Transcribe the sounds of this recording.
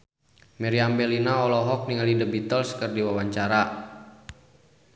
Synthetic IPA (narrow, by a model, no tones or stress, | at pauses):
mɛɾiambɛlinaɔlɔɦɔk̚niŋalidəbit̪əlskərdiwawaɲt͡ʃaɾa